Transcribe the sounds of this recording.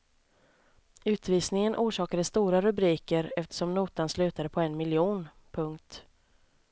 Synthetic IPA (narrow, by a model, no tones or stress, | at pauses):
ʉ̟ːt̪viːsnɪŋənʔuːʂɑːkad̪əst̪uːɾaɾɵbɾiːkəɾɛft̪ə̥ʂɔmnuːt̪anslʉ̟ːt̪ad̪əpʰɔɛnmɪljuːn | pʰɵŋkt̪